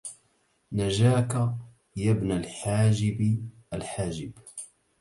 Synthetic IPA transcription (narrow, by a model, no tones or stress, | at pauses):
nad͡ʒaːka | jabnalħaːd͡ʒɪbʔalħaːd͡ʒɪb